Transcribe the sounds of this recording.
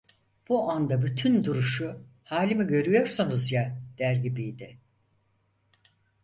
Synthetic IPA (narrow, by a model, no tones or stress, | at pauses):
b̥uʔand̪abyt̪ʰynd̪uɾuʃuhaːlʲimiɟø̞ɾyjo̞ɾsanuzjad̪̥æɾɟibijd̪ɪ